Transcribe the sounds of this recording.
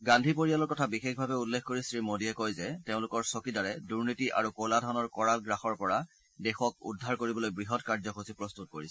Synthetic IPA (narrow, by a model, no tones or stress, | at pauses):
ɡãndʱip̬oɹijalɔɹkɔtʰabixexbʱabɛulːekkoɹisɹimodiɛkojzɛteʊ̃lʊkɔɹsokidaɹɛduɹnitiʔa̰ɹukoladʱɔnɔɹkɔɹalɡɹaxɔɹpɔɹa | dɛxɔk̚ṵdʱaɹkoɹibɔlojbɹiɦɔtkaɹzɔxosipɹɔst̪ut̚koɹisɛ